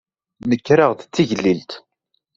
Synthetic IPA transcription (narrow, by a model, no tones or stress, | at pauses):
nəkːɾaʁðt͡sːiʝəlːilt̪